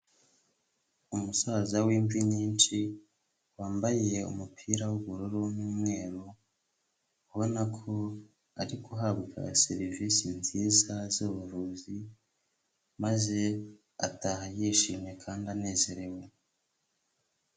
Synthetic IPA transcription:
umusazawiːɱviɲiːnt͡ʃi | waːmbaje̞ṵmupʰiːɾawuβuɾuɾonuːmŋe̞ːɾo | uβo̞nakʰo̞ | aɾikuɦabɡa̰se̞ɾiviːsinziːzazoːβuɾuːzi | maze̞ | a̰tahajiːʃiːmɲe̞kʰaːndane̞ːze̞ɾe̞we

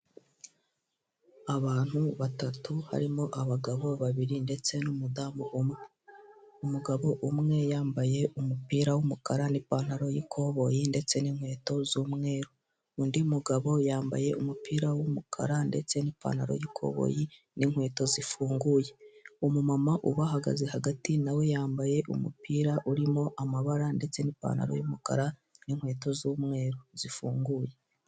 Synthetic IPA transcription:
aβaːn̥huβatatuha̰ɾimo̞ʔaβaɡaβo̞βaβiɾinde̞t͡se̞numudaːmuʔome | umuɡaβo̞ʔumŋe̞jaːmbaje̞ʔumupiːɾawumukaɾanipaːn̥haɾo̞jikʰo̞βo̞jinde̞t͡se̞niŋhwe̞ːto̞zuːmŋe̞ːɾu | undiumuɡaβo̞jaːmba̰je̞umupiːɾawumukʰa̰ɾande̞t͡se̞nipa̰ːnaɾo̰jikʰo̞̰ːβo̰ji | niŋhwe̞ːto̞zifuːŋɡuːje̞umumamaʔuβahaɡa̰zehaɡatinawe̞jaːmbaje̞ʔṵmṵpiːɾaʔuɾimo̞ʔamaβaɾande̞t͡se̞nipa̰ːnha̰ɾo̰jumuka̰ɾaniŋhwe̞ːto̞zuːmŋe̞ːɾoz̥ifuːŋɡuːje̞

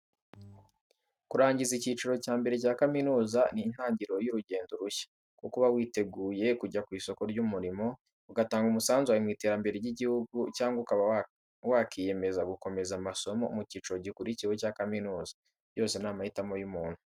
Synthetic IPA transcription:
kuɾaːɲɟizicit͡ʃuɾo̞caːmbe̞ɾe̞caːkaminuːzanin̥haːɲɟiɾo̞juɾuɟe̞ːndoɾuçḁ | kukuβawiːte̞ɡuːje̞kuɟakwiːso̞ko̞ɾɟumuɾimo̞ | uɡataːŋɡumusaːnzuaimwiːte̞ːɾambeɾe̞jiɟihuɡucaːŋɡukaβa | wakʰije̞me̞zaɡuko̞me̞zamaso̞mo̞umuciːt͡ʃuɾo̞ɟikuɾiciwucaːkaminuːzḁ | jo̞ːse̞naːmahitamojumuːn̥hu

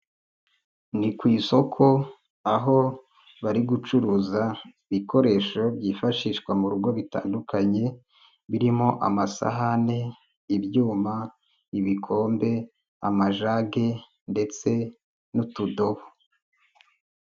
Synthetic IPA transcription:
nikwiːso̞kʰo̞ | aɦo̞ | βaɾiɡut͡ʃuɾuːzaiβiko̞ɾe̞ːʃo̞bɟiːfaʃiʃkwamuɾuɡo̞βita̰ːndukʰaɲe̞ | βiɾimo̞ʔa̰masa̰ɦane̞ | iβjuːma | iβikʰo̞ːmbe̞ | a̰maʒaɡe̞ | nde̞t͡se̞ | nutudo̞βo

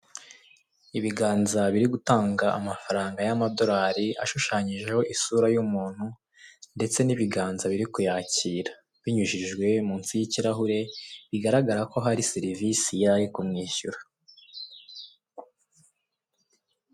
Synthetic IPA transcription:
iβiɡaːnzaβiɾiɡutaːŋɡaʔamafaɾaːŋɡajamado̞ɾaːɾia̰ʃuʃaːɲiʒe̞ho̞ʔisuːɾajumuːn̥hu | nde̞t͡se̞niβiɡaːnzaβiɾikujaːciːɾa | βiɲuʒiʒɡwe̞muːnsijiciɾaɦuɾe̞βiɡaɾaɡaɾako̞ɦaɾiseɾivisijaɾikumŋiːçuɾa

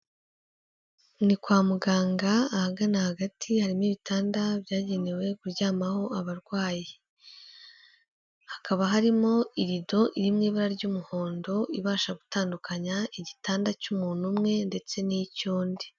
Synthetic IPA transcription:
nikwaːmuɡaːŋɡaːhaɡanahaɡatʰihaɾimiːβitʰaːndabjaːɟe̞newe̞kuɾɟaːmaho̞aβaɾɡwaːji | hakaβaɦaɾimo̞iɾido̞ʔiɾimŋiːβaɾaɾɟuːmuho̞ːndo̞iβaːʃaɡutaːndukʰaɲaiɟitaːndacumuːn̥umŋe̞nde̞t͡se̞nicoːndi

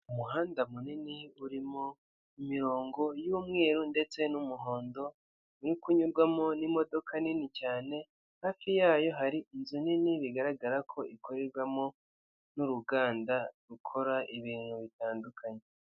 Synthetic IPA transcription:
umuɦaːndamuniniuɾimo | imiɾo̞ːŋɡo̞juːmŋe̞ːɾunde̞t͡se̞numuɦo̞ːndo̞ | uɾikuɲuɾɡwamo̞nimo̞do̞kʰaninicaːne̞ | haːfijaːjo̞ɦaɾiʔinzuniniβiɡaɾaɡaɾakʰo̞ʔikʰoɾeɾɡwamo̞ | nuɾuɡaːndaɾukʰo̞ɾaʔiβiːn̥huβitaːndukʰaɲe

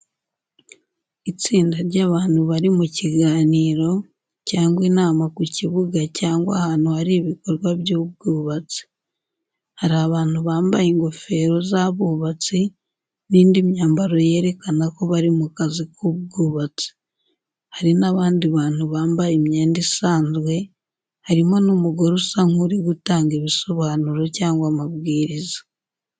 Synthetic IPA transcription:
it͡siːndaɾɟaːβaːn̥huβaɾimuciɡaːniːɾo̞ | caːŋɡwiːnaːmakuciβuɡacaːŋɡwa̰hanuhaɾiβiko̞ɾɡwaβjuːb̚ɡuːβat͡si̥ | haɾiaβaːnhuβaːmbajeŋɡofe̞ɾo̞zaβuːβat͡si | niːndimɲaːmbaɾo̞je̞ːɾe̞kanako̞βaɾimukazikʰuβɡuːβat͡si̥ | haɾinaβaːndiβaːn̥huβaːmbajemɲeːndisaːnzwe̞ | haɾimo̞numuɡoɾusaŋuɾiɡutaːŋɡeβiso̞βaːnuɾocaːŋɡwamaβɡiːɾizḁ

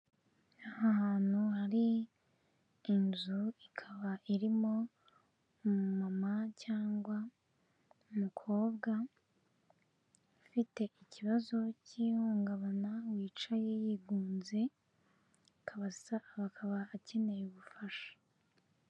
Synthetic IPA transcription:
ahahaːn̥huhaɾi | nzuikʰaβaʔiɾimo̞ | mumamacaːŋɡwa | umukʰo̞ːbɡa | fite̞ʔiciβazo̞ciːhuːŋɡaβanawiːt͡ʃaje̞jiɡuːnze̞ | kʰaβasaβakʰaβaːce̞ne̞jeβufaʃḁ

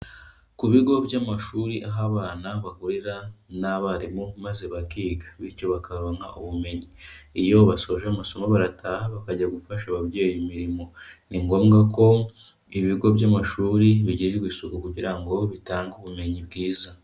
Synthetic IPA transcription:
kuβiɡo̞bjamaʃuːɾiʔaɦaβaːnaβakuɾiɾanaβaɾimumazeβakiːɡḁβiɾco̞βakaɾoːŋa̰ʔuβume̞ɲiːjo̞βaso̞ːʒeːmaso̞maβaɾatʰaːhaβakaɟaɡufaʃaβabɟe̞ːjimiɾimo̞niŋɡo̞ːmɡako̞ | iβiɡo̞bɟamaʃuːɾiβiɟiɾiɡwiːsukukuɟiɾaŋɡo̞βitaːŋɡuβume̞ɲib̚ɡiːza

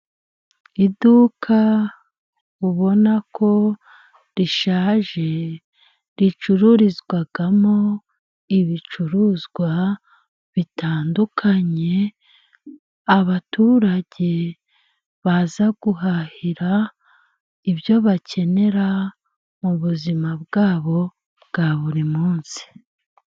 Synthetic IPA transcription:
iduːkʰa | uβo̞nakʰo̞ | ɾiʃaːʒe̞ | ɾit͡ʃuɾuɾizɡwaɡamo̞ | iβit͡ʃuɾuzɡwa | βitaːndukʰaɲe̞ | aβatuːɾaɟe̞ | βazaɡuɦahiɾa | ibjo̞βacʰe̞ne̞ɾa | muβuzimab̚ɡaːβo̞ | bɡaβuɾimuːnsi̥

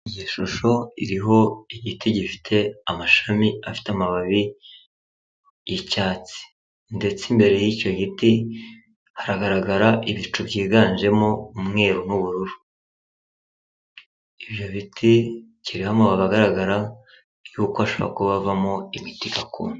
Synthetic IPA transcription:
ijiʃuʃo̞iɾiɦo̞iɟitiɟifi̥tʰe̞amaʃamiafi̥teamaβaβi | jicaːt͡si̥ | nde̞t͡simbe̞ɾe̞jico̞ɟiti | haɾaɡaɾaɡaɾaʔiβit͡ʃubɟiːɡaːnʒe̞mo̞umŋe̞ːɾonuβuɾuɾu | iβjo̞βitʰi | ciɾihamoβaβaɡaɾaɡaɾa | juːkoaʃoβo̰a̰kuβavamo̞imitiɡakṵːna

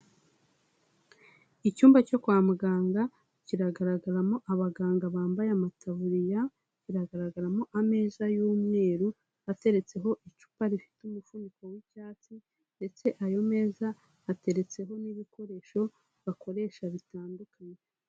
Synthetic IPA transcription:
icuːmbaco̞kwaːmuɡaːŋɡa | ciɾaɡaɾaɡaɾamo̞ʔaβaɡaːŋɡaβaːmbajamatʰaβuɾija | ciɾaɡaɾaɡaɾamo̞ʔame̞ːzajuːmŋe̞ːɾu | ate̞ɾe̞t͡se̞ɦo̞ʔit͡ʃu̥paɾifi̥tumufuːndiko̞wicaːt͡si | nde̞t͡se̞ʔajo̞me̞ːzaː | te̞ɾe̞t͡se̞ɦo̞niβiko̞ɾe̞ːʃo̞ | βako̞ɾe̞ːʃaβitaːndukaɲe

